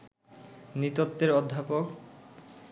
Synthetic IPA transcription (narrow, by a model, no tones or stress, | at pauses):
nit̪ot̪ːeɾɔd̪ʱːapok